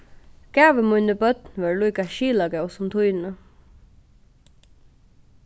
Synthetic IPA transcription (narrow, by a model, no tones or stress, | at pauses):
ɡ̥æːʋəmʊjnəbœt̪nʋɛɹlujkaʃiːlaɡɛwsɔmt̪ʰʊjnə